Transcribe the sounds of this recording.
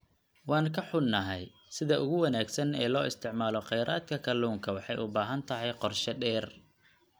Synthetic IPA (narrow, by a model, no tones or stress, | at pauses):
wɑːŋkʰɐħʊnːɐɦɛj | sɪðɐʔʊɣʊwɐnaːɡsɐnɛ̰ːlɔːʔɪst̪ʰɪʕmaːlɔqɛjɾʔaːd̪kʰɐkʰɐluːŋkʰɐwɑħɑjʔʊbaːɦɐnt̪ʰɐɦɛjqɔrʃɐɖɛːr